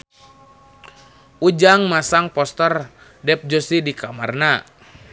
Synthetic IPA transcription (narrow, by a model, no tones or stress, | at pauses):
ud͡ʒaŋmasaŋpɔst̪ər | dɛp̚d͡ʒɔsidikamarna